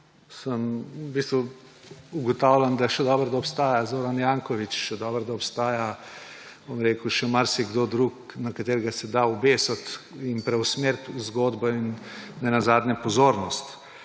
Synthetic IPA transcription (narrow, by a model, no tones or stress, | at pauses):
səmbist̪ʋu | uɡɔt̪aːwlʲand̪aʃɛd̪ɔːbəɾd̪aɔpst̪aːjazoːɾanjaŋkɔʋit͡ʃʃɛd̪ɔːbəɾd̪aɔpst̪aːja | bomɾeːkuʃɛmaɾsiɡd̪od̪ɾuːk | nakat̪eːɾɡasɛd̪aubeːsɔt̪ | inpɾɛwsmeɾt̪uzɡoːd̪bɔinːɛnazaːd̪nʲɛpɔzoːɾnɔst̪